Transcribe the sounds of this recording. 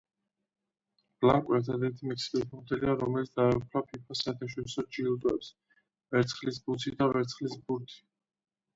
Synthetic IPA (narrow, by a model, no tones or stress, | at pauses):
b̥laŋkʼwɛɾt̪ʰad̪ɛɾt̪ʰimɛksi̥kʼispʰɔmd̪ɛliaɾɔmɛlit̪ʰd̪aɛpʰɾapʰipʰasaɛɾt̪ʰaʃɔɾisɔd͡ʒilˠd̪ʼɛ̰ps | vɛɾt̪sʰχlisbut̪sʰid̪avɛɾt̪sʰχlisbuɾt̪ʰi̥